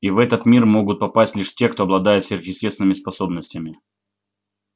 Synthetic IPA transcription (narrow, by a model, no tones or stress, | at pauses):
ivɛt̪ət̪mʲirmo̞ɡʊt̪̚pɐpasʲtʲlʲiʂtʲe̞kt̪oɐblˠɐd̪ajɪt̪sʲvʲerxjʲɪsʲtʲest̪vɪnɨmʲɪspɐso̞bnəsʲtʲɪmʲɪ